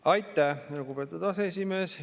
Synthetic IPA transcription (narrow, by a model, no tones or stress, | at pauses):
ɑjt̪ːˑæhluɡube̞ːt̪ːˑud̪ɑsees̬ʲime̞ːs